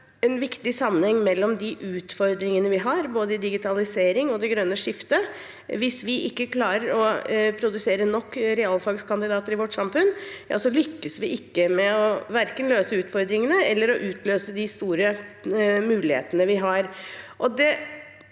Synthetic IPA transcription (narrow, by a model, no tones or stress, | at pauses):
ɛnʋɪkt̪ɪsɑmːənhɛŋːmɛlːɔmd̪ɪʔʉːt̪fɔɾd̪ɾɪŋənəʋɪɦɑɾboːd̪əd̪ɪɡɪt̪ʰɑlɪseːɾɪŋɔd̪ɛɡɾœnːəʂɪft̪ə | ʋɪsʋɪʔɪkːəkʰlɑːɾəɾɔpʰɾʊd̪ʉseːɾənɔkːɾɛɑlfɑɡskʰɑnd̪ɪd̪ɑːt̪əɾɪʋɔʈːsɑmfʉnːjɑ̰ːsɔlʏkːəsʋɪʔɪkːəmɛɔʋæɾkənløːsəʉːt̪fɔɾd̪ɾɪŋənəɛlːəɾɔʔʉːt̪ʰløːsəd̪ɪst̪uːɾə | mʉːlɪhḛːt̪ənəʋɪɦɑɾʔɔd̪ɛ